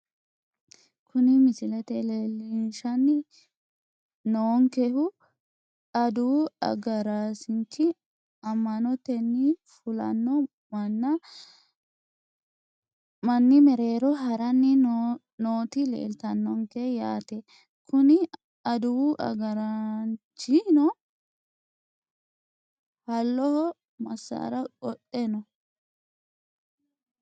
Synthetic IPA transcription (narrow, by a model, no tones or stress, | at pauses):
kʰʊnɪmɪsɪlɛt̪ɛlelɪnʃɐnːɪ | noːŋkɛhʊ | ɐd̪uɐ̰ɡɐɾasɪnt͡ʃːɪ | ɐmːɐnɔt̪ɛnːɪfʊlɐ̰nːɔ | mɐnːɐ | mɐnːɪmɛɾe̞ːɾɔɦɐɾɐnːɪ | noːt̪ɪlḛːlt̪ɐnːɔŋkɛjaːt̪ɛ | kʰʊnɪ | ɐd̪ʊwuʔɐ̰ɡɐɾɐnt͡ʃːɪnɔ | hɐlːɔhɔ | mɐsːɐ̰ɾɐkʼɔtʼːɛnɔ